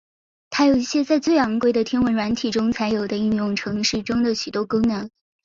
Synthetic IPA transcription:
t̪ʰa˥jo˨˩ʊi˥˩ɕjɛ˥t͡sa˥˧ɪt͡swe˥˩ɪɑ˧˥ŋkwe˥ɪd̪ə˨t̪ʰjɛ˥nwə˧˥nɻwa˧˥nt̪ʰi˨˩ʈ͡ʂʊ˥ŋt͡sʰa˧˥ɪjo˨˩ʊd̪ə˦i˥˧njʊ˥˩ŋʈ͡ʂʰɤ˧˥ŋʂɻ̩˥˩ʈ͡ʂʊ˥ŋd̪ə˨ɕy˨˩t̪wɔ˥ko˥ʊnɤ˧˥ŋ

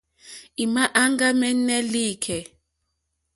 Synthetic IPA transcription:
i˨ma˦ʔa˦ŋɡa˦mɛ˦nɛ˦liː˦˨kʰɛ˨

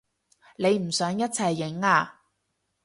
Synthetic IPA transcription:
le˨˧jm̩˨˩sœː˨˥ŋjɐ˥t̚t͡sʰɐ˨˩jːɪ˨˥ŋaː˧

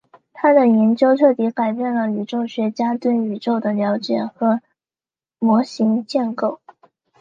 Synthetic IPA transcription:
t̪ʰa˥d̪ə˨jɛ˧˥nt͡ɕjo˥ʊt̪ʰɤ˥˩t̪i˧˥ka˨˩ɪpjɛ˥˩nlə˩y˨˩ʈ͡ʂo˥˩ʊɕɥɛ˧˥t͡ɕja˥t̪wə˥ny˨˩ʈ͡ʂo˥˩ʊd̪ə˩ljɑ˧˥ʊt͡ɕjɛ˨˩xɤ˧˥ | mwɔ˧˥ɕi˧˥ŋt͡ɕjɛ˥˧nko˥˩ʊ

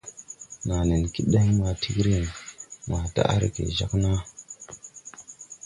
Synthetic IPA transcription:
na˨ne˨nki˦ɗa˦ma˨tʰi˦kɾi˦nna˨ta̰˦ʔa˦ɾɡḛ˨ʒa˦kna˦

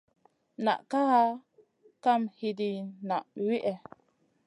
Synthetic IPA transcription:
na̰˨ʔka˦ha˦ | ka˦˨mhi˨di˨na˨ʔwi˦ʔɛ˨

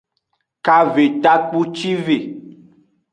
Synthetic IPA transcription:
ka˨ve˨t̪a˦k͡pu˦t͡ʃi˦ve˨

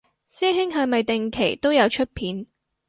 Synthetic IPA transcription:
sɛː˥ɦɪ˥ŋɦɐ˨˧mɐ˨jt̪ɪ˨ŋkʰe˨˩jt̪o˥wjɐ˨˧wt͡ʃʰɵ˥t̚pʰiː˨˥n

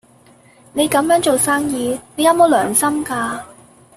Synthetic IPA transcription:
ne˨˧jkɐ˨˥mjœː˨˥ŋt͡ʃo˨wsaː˥ŋjiː˨˧ne˨˧jɐ˨˥wmo˨˥wlœː˨˩ŋsɐ˥mkaː˧

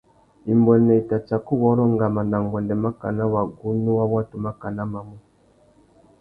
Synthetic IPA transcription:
i˨mbɔ˨nɛ˨i˨ta˨t͡ʃa˨ku˦βɔ˨˦ɾɔ˦ŋɡa˨ma˨nda˨ŋɡɔ˨ndɛ˨ma˦ka̰˨na˦wa˨ɡu˦nu˦wa˦wa˦tu˨ma˦ka˨na˦ma˨mu˦

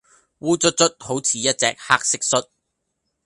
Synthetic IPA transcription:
wuː˨˧t͡sɵ˥t̚t͡sɵ˥t̚ho˨˥wt͡sʰiː˨jɐ˥t̚t͡sɛ̰ː˨k̚haː˥k̚sɪ˥k̚sɵ˥t̚

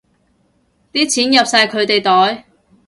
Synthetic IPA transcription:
t̪iː˥t͡sʰiː˨˥njɐ˨p̚saː˧jkʰɵ˨˧ɥt̪e˨jt̪ɔː˨˥j

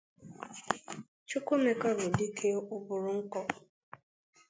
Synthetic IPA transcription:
t͡ʃʊ˦ko˦me˨ka˦bʊ˨di˦kʰe˦ʊ˦bʊ˨ɾʊ˦ŋ̩˦kɔ˦

